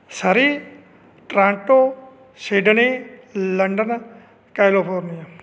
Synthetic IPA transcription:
sɐɾi | ʈɾãːɳʈoː | seːɖniləɳɖən | kajlopoːɾnij

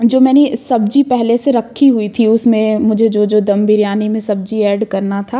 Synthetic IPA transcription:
d͡ʒoːmɛːnesɐb̚d͡ʒipɛɦleseɾɐkʰːiɦʊit̪ʰiʊsmẽmʊd͡ʒʱed͡ʒoːd͡ʒoːd̪ɐ̃mbiɾjaːnimẽsɐb̚d͡ʒiɛːɖkɐɾnat̪ʰaː

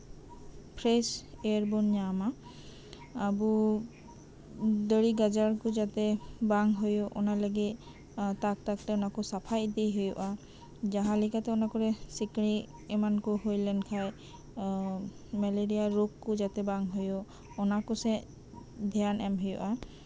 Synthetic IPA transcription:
pʰɾeseɹbunɲama | bu | d̪əɾiɡad͡ʒaɹkud͡ʒat̪ɛbaŋɦojɔʔɔ̰naləɡi | t̪ak̚t̪aktɛɔnakusapʰajd̪ejɦejɔʔa | d͡ʒaɦãlikat̪ɛɔnakɔɾɛsikɽ̃i | ɛmankuɦojlɛnkʰaj | mɛleɾijaɾokːud͡ʒat̪ɛbaŋɦojɔ | ɔnakusɛ | d̪ʱjanɛmɦejɔ̰ʔa

